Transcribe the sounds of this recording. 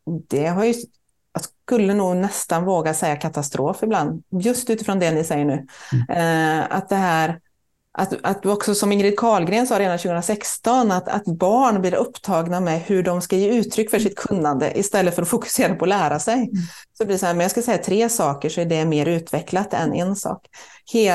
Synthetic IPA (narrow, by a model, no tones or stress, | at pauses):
d̪̥ɛɦaɾjɵ | jɑskɵlːənuːɡnɛst̪anvoːɡasɛjːakʰat̪ast̪ɾʔoːfɪbland̪jɵst̪ʉ̟ːt̪ɪfɾɔnd̪ɛnːɪsɛjːəɳʉ̟ː | a̰t̪̚d̪ɛɦæːɾ | ʔat̪at̪̚d̪ɵɔksɔsɔmɪŋɾɪːt̪̚kʰɑːlɡɾeːnsɑːɾeːd̪anɕʉːɡɵnɾasɛkst̪ɔnat̪a̰t̪bɑːɳbliːɾɵpːt̪ʰɑːɡnamɛhɵɖɔmskajeːʉ̟ːt̪ʰːɾʏkːfœʂɪt̪̚kʰɵnːand̪ə̰ʔɪst̪ɛlːət̪fœɾɔfʊkɵ̥seːɾapʰɔːlæːɾasɛjsɔbliːsɔhæːɾmɛnjɑːskasɛjːat̪ʰɾeːsɑːkəʂɔæɖɛmeːɾʉ̟ːt̪vɛklat̪ɛ̰nɛnsɑ̰ːkheː